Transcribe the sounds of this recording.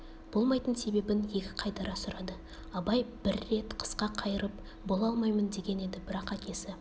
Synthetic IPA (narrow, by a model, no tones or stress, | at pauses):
b̥o̞lˠmɑjt̪ənse̞be̞bɪnje̞kʲɪ̥qʰɑjt̪ɑɾɑsʊɾɑd̪ə | ɑbɑjb̥ɪɾːe̞t̪qʰə̥sqɑqʰɑjəɾəp̚ | bo̞lˠɑlˠmɑjmənd̪e̞ɡʲe̞ne̞d̪ɪbɪɾɑqækʲe̞sɪ